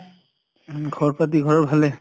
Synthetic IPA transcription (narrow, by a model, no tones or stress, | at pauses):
ɡʱɔɹpɹat̬iɡʱɔɹɔɹbʱalɛ